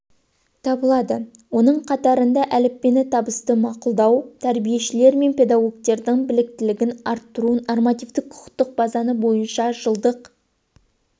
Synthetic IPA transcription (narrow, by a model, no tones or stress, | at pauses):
t̪ʰɑbəlˠɑd̪ə | wo̞nəɴqʰɑt̪ɑɾənd̪ɑʔælɪpːe̞nɪt̪ʰɑbəst̪əmɑqʊlˠd̪ɑwt̪ʰæɾbije̞ʃɪle̞ɾme̞npʲe̞d̪ɑɡo̞ɡ̚t̪e̞ɾd̪ɪŋbɪlɪk̚t̪ɪlɪɡʲɪnɑɾt̪ːəɾunormɑt̪ijvd̪ɪk̚qʰʊ̥qt̪ːəq̚bɑzɑnəbo̞jənʃɑʒəlˠd̪əq